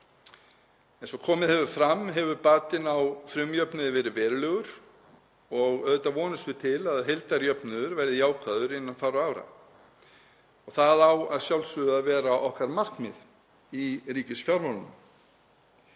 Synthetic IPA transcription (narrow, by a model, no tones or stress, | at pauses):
ɛnsɔkʰɔːmɪðhɛvʏɾfɾamːɦɛvʏɾpaːt̪ɪnawfɾʏmjœpnɪðɪvɛːɾɪvɛːɾlœːɣʏɾ̥ | ɔɣœðt̪avɔːnʏst̪ʏ̥t̪ʰɪlaðɦejlt̪aɾjœpnʏðʏɾvɛɾðɪjaːwkʰaðʏɾɪnːanfawɾʏaːwɾa̰ | ɔɣθaðawaðsjawlsʏðavɛːɾaʔɔhkaɾmar̥kmɪ̰ð | iɾiːcɪsfjawɾmɔlnʏ̰m